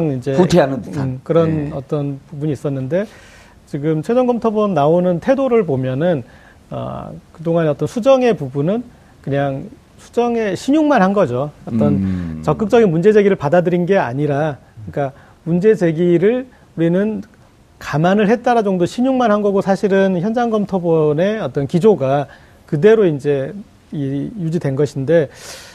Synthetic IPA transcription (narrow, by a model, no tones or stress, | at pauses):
ŋind͡ʑe̞utʰeanɯnkɯɾʌnʌt͈ʌnpubuɲiːs͈ʌnːɯnde̞ | t͡ɕiɡɯmt͡ɕʰwed͡ʑʌŋɡʌmtʰʌbʌmnaonɯntʰedoɾɯɭpomjʌnɯn | ʌ̰kɯdoŋaneʌt͈ʌnsʰud͡ʑʌŋe̞pubunɯn | kɯɲaŋ | sʰu̥d͡ʑʌŋe̞ɕʰiɲuŋmanhanɡʌd͡ʑoʌt͈ʌnt͡ɕʌk͈ɯk̚t͡ɕ͈ʌɡinmund͡ʑe̞d͡ʑe̞ɡiɾɯɭpadadɯɾinɡe̞a̰ɲiɾa | ɯɲik͈a | mund͡ʑe̞d͡ʑe̞ɡiɾɯɭ | uɾinɯn | kamanɯɭɦe̞t̚t͈aɾad͡ʑoŋdoɕʰiɲuŋmanɦhanɡʌɡosʰaɕʰiɾɯnçjʌnd͡ʑaŋɡʌmtʰobʌne̞ʌt͈ʌnkid͡ʑoɡa | kɯde̞ɾoind͡ʑe̞ | ijud͡ʑidwenɡʌɕʰinde̞